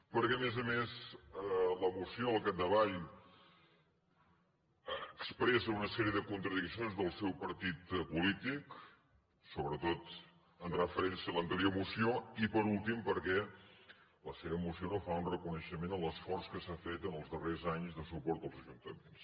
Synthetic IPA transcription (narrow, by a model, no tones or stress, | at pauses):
pəɾkɛəmɛzəmezələmusioəlˠkat̚d̪əβaʎ | əkspɾɛsəunəsɛɾiəðəkunt̪ɾəðiksionzðəlˠsɛwpəɾt̪it̪pulit̪ik | soβɾət̪ot̪ | ənrəfəɾɛnsiələnt̪liomusioipəɾulˠt̪impəɾkɛ | ləseβəmusionofaunrəkunəʃəmenələsfɔrskəsafet̪ənəlˠzðərezaɲzðəsupɔɾt̪əlˠzəʒunt̪əmens